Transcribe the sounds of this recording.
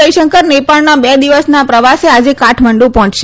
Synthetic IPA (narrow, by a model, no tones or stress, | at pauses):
əjʃəŋkəɾnepaɭnabɛd̪iʋəsnapɾəʋasead͡ʒekaʈʰməɳɖũpɔɦɔ̃t͡ʃʃe